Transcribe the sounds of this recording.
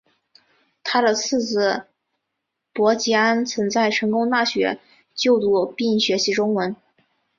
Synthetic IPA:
t̪ʰa˥d̪ə˨t͡sʰɹ̩˥˩t͡sɹ̩˧˩ | pwɔ˧˥t͡ɕi˧˥a˥nt͡sʰə˧˥nt͡sa˥˩ɪʈ͡ʂʰɤ˧˥ŋkʊ˥ŋt̪a˥˩ɕɥɛ̰˧˥ | t͡ɕjo˥˧ʊt̪u˥˩pi˥˩nɕɥɛ˧˥ɕi˧˥ʈ͡ʂʊ˥ŋwə˧˥n

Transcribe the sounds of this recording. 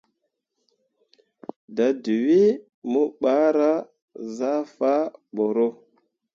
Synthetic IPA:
da˨du˨wi˦ | mu˦ɓa˦ɾa˦ | za˦fa˦ɓo˨ɾo˦

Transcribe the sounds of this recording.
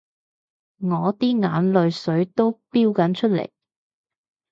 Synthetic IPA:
ŋɔː˨˧t̪iː˥ŋaː˨˥nlɵ˨ɥsɵ˨˥ɥt̪o˥wpiː˥wkɐ˨˥nt͡ʃʰɵ˥t̚lḛ˨˩j

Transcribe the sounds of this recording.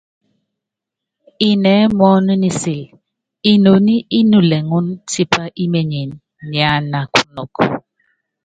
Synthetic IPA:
i˨nɛː˨˦mɔ˦nu˦ni˨si˨l | i˦˨no˨ni˦ʔi˦nu˨lɛ˨ŋu˦nti˦pa˦ʔi˦me˨ɲe˨nː | ja˨˦na˨kʰu˦nɔ˨k

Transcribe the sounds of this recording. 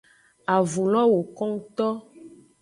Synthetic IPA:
a˨vu˨lɔ̃˦wo˨kɔ˦ŋ˦t̪ɔ˦

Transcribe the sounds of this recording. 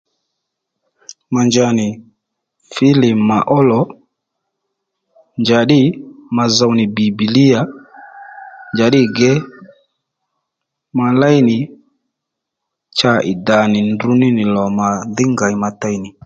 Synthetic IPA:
ma˨nd͡ʒa˧˨nɪ˨ | fɪ˦lɪ˨ma˨ʔɔ˦lɔ˨ | nd͡ʒa˨ɗɪ˦ma˨za˧˨wnɪ˨bi˨bi˨li˦a˨ | ɲd͡ʒa˨ɗɪ˦ɡɛ˦ | ma˧la˦jnɪ˨ | t͡ʃa˦ʔɪ̰˨da˨nɪ˨ndu˧˦nɪ˦nɪ˨lɔ˨ma˨ðɪ˦ŋɡa˨ɪ˨ma˧ta˦jnɪ˨

